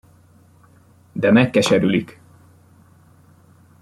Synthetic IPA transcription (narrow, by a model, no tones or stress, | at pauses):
d̪ɛmɛkːɛʃɛɾylik